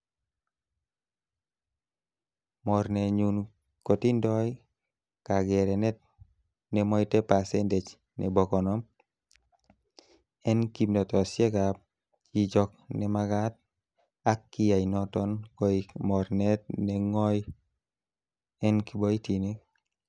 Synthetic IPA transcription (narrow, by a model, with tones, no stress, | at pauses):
mɔ˨ɾnɛ˨ɲu˨n | ko˨ti˦ndɔ˦j | ka˨ɡɛ˨ɾɛ˨nɛ˦t̚ | nɛ˨mɔ˦jtɛ˦pa˨sɛ˦nte˨d͡ʒ | nɛ̰˨bɔ˨kɔ˨nɔ˦m | ɛ˦nki˨mndɔ˨tɔ˨sje˦ka˨p | t͡ʃi˦d͡ʒɔ˧k̚nɛ˨ma˧ɡa˦t̚ | a˦kːi˦ja˨i˨nɔ˦tɔ˦nkɔimɔ˨ɾnɛ˦t̚nɛ˨ŋɔ˦j | ɛ˦nki˦bɔ˦i˦ti˨ni˦k̚